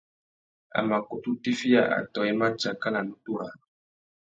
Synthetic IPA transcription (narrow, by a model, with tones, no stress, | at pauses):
a̰˨ma˨ko˨tu˦ti˦fi˦ja̰˨ʔa̰˨tɔ˨ɛ˦ma˦t͡ʃa˨ka˦la˨nu˦tu˦ɾa˨